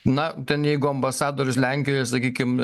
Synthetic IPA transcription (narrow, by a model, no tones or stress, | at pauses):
nɐt̪ʲɛnjɛɪɡʊɐmbɐsɑːd̪oːɾʲʊslʲæŋʲkʲɪjojɛsɐkʲiːkʲɪm